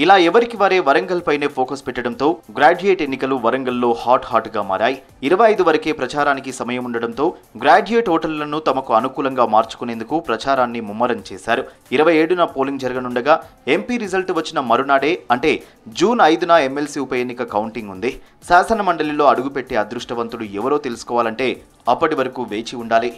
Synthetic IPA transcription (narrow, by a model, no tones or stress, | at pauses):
ilaːɛʋɐɾikiʋaːɾe̞ːʋɐɾɐŋɡɐlpɐjne̞ːpʰoːkɐspɛʈːɐɽɐnt̪o̞ːɡɾaːɖjeːʈe̞nːikɐluʋɐɾɐŋɡɐlːo̞ːhaːʈhaːʈɡaːma̰ːɾaːji | iɾɐʋɐjɐjd̪uʋɐɾɐke̞ːpɾɐt͡ʃaːɾaːnikisɐmɐjɐmuɳɖɐɽɐnt̪o̞ːɡɾaːɖijeːʈɔːʈɐlːɐnut̪ɐmɐkuɐnukuːlɐŋɡaːmaːɾt͡ʃu̥kune̞ːnd̪ukupɾɐt͡ʃaːɾaːnːimumːɐɾɐnt͡ʃɛ̰ːsaːɾu | iɾɐʋɐje̞ːɽunɐpo̞ːliŋɡd͡ʒɐɾɐɡɐnuɳɖɐɡaːe̞mpiɾizɐlʈʋɐt͡ʃːinɐmɐɾunaːɽe̞ːɐɳʈe̞ː | d͡ʒuːnɐjd̪unɐe̞mːe̞lsiːupɐjeːnːikɐkɐwɳʈiŋɡund̪i | saːsɐnɐmɐɳɖɐlilːo̞ːɐɽuɡupe̞ʈːe̞ːɐd̪ɾuʂʈɐʋɐnt̪uluɛʋɐɾo̞ːt̪e̞lusu̥kɔːʋaːlɐɳʈe̞ː | ɐpːɐʈiʋɐɾɐkuːʋe̞ːt͡ʃiuɳɖaːli